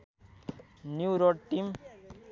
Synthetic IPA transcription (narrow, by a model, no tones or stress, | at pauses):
njuɾɔɽʈim